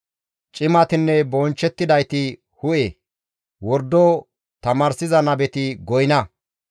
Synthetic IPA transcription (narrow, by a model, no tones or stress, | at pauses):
t͡ʃʼɪmɐt̪ɪnːɛbɔnt͡ʃːɛt̪ːɪd̪ɐjt̪ɪ | hʊʔe | wɔɾd̪o | t̪ɐmaːɾsɪzɐnɐbɛt̪ɪɡɔjɪnɐ